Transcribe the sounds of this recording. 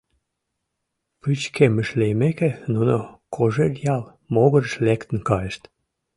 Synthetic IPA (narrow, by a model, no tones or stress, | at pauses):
pɨt͡ɕkʰeməʃlejmekenunokʰoʒerjɑl | moɣəɾəʃlekt̪ə̆nkɑjəʃt̪